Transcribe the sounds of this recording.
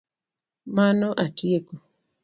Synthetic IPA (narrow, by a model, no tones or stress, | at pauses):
manɔʔatieko